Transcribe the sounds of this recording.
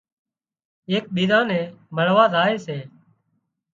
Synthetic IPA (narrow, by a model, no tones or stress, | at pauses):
eːk̚ɓiːzãːnɛ̃ːməɽʋaːzaːeːseː